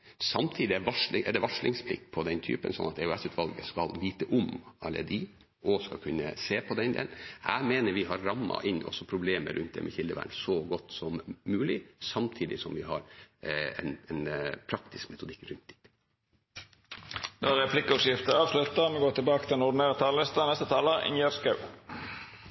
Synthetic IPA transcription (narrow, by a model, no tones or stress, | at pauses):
sɑmt̪ʰiːd̪ɪɛʋɑʂlɪʔɛd̪ɛʋɑʂlɪŋspʰlɪ̰kːpʰɔd̪ɛnt̪ʰy̰ːpənsɔ̰nɑt̪ɛʉɛsʉːt̪ʰʋɑlɡəskɑlʋiːt̪əʔʊmɑlːə̰d̪i | ʔɔskɑ̰kʰʉnːəseːpʰɔd̪ɛnd̪ḛːlnæːmeːnəɾʋɪɦɑɾːɑmːɑ̰ʔɪnːʔɔ̰sɔpʰɾʊbleːmə̰ɾʉnt̪̚d̪ɛ̰mɛçɪld̪əʋæ̰ːɳsɔɡɔt̪ːsɔmːʉːlɪsɑmt̪ʰiːd̪ɪsɔmʋɪɦɑɾ | ɛ̰nɛnpʰɾɑk̚t̪ɪskmɛt̪ʊd̪ɪkːɾʉnt̪̚d̪ɪ | d̪ɑʁɛpʰlɪkːəɔsjɪft̪əɑːʋslʉt̪ːəmɛɡoːt̪ɪlbɑːkət̪ʰɪlɛnʊɖ̪neːʁət̪ʰɑːllɪst̪ənɛst̪ət̪ʰɑːləɪ̰ŋjəʁskɑʉ